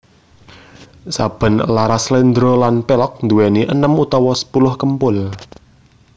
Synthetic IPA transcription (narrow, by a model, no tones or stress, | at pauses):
sab̥ə̤nlaɾaslend̪ɾolanpelɔk̚nd̪uwɛniʔənəmut̪ɔwɔsə̥pulʊhkəmpʊl